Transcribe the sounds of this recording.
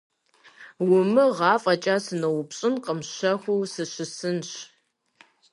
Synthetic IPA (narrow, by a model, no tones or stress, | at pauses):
wʊmɨʁɑːfʼɐt͡ʃʼaːsɨnɐwʊpɕʼɪnqəmɕɐxʷuːsɨɕɪsɨnɕ